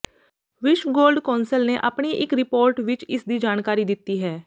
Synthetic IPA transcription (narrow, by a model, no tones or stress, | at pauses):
ʋɪʃʋɡoːlɖkɔ̃ːnsəlneːʔaːpɳiːʔɪkɾɪpoːɾʈʋɪt͡ʃɪsd̪iːd͡ʒaːnkaːɾiːd̪ɪt̪ːiːɦɛː